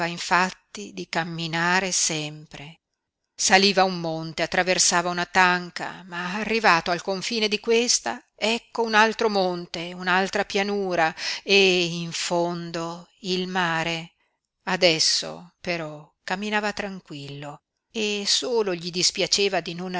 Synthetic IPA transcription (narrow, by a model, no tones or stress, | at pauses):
aiɱfat̪ːid̪ikamːinaːɾesɛmpɾe | saliːvaumːont̪eat̪ːɾaversaːvaunat̪aŋka̰maːrːivaːt̪oalkoɱfiːned̪ikwest̪a | ɛkːounalt̪ɾomont̪eunalt̪ɾapjanuːɾaeiɱfond̪oilmaːɾe | ad̪ɛsːo̰peɾɔ | kamːinaːvat̪ɾaŋkwilːo | esoːloʎid̪ispjat͡ʃeːvad̪inon